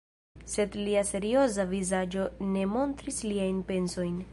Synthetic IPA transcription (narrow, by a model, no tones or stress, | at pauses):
se̞d̪liase̞ɾio̞zavizad͡ʒo̞ne̞mo̞nt̪ɾisliajnpe̞nso̞jn